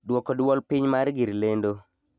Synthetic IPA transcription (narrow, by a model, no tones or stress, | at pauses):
dwɔkɔdwɔlpiɲmaɾɡiɾlendo